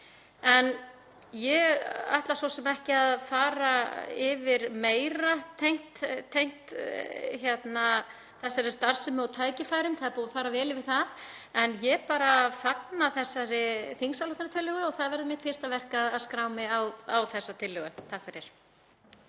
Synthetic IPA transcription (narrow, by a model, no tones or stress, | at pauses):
ɛn | jɛɣa̰jht̪lasɔsɛmɛhcɪaðfaːɾaɪvɪɾmeːjɾat̪ʰejŋ̥t̪t̪ʰːejn̥t̪ | çjɛt̪na | θɛsːɛɾɪst̪ar̥sɛmawt̪ʰaːjcɪfaːjɾʏmθaðɾpuːðafaːɾavɛːlɪvɪð̥θaɾɛnjɛpaːɾafapnaθɛsːaɾɪθinsalɔht̪aɾt̪ʰɪlːʏɣʏɔɣθaðvɛɾðʏmɪht̪fɪr̥st̪avɛr̥kaðaðskɾaːwmɪawawθɛsːat̪ʰɪlːʏɣʏt̪ʰahkvaɾjɛɾ̥